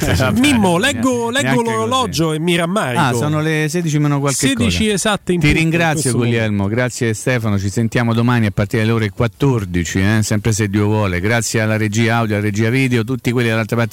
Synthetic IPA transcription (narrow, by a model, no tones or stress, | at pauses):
amimːolɛɡːolɛːoloɾolɔd͡ʒoemːiɾamːaɾasɔːnoles̬eːd̪it͡ʃimeːnokwalkekit͡ʃiezat̪ːint̪iɾiŋɡɾat̪sjoɡuljɛlmoɡɾat̪sːjest̪ɛːfanot͡ʃisent̪jaːmod̪omaniapːart̪iɾed̪leoːɾekwat̪ːord̪it͡ʃiɛsɛmpɾes̬ed̪ːiːovwɔːleɡɾat̪sːjealːaɾed͡ʒiːaawd̪joalaɾed͡ʒiːaviːd̪eot̪̬ut̪ːikwelːid̪alalt̪ɾapaɾt̪